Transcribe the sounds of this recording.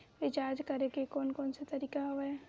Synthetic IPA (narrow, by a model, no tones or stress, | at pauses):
ʋɪt͡ʃaːd͡ʒkɐɾeɡekɔːnkɔːnset̪ɐɾiːkaɦoʋɛ